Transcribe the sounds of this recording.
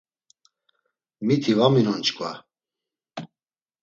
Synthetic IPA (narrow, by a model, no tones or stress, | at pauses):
mit̪ʰivaminɔnt͡ʃʼkʼva